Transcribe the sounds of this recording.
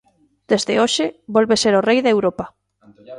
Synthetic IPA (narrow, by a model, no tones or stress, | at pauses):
d̪̥ezðɪoʃeβolβeseɾorejðewɾopa